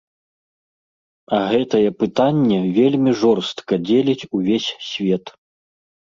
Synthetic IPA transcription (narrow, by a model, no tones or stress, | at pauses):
ɐɣɛt̪ɐjɛpɨt̪anʲːɛvʲelʲmʲiʐɔrst̪kɐd͡zʲelʲit͡sʲuvʲesʲsʲvʲɛt̪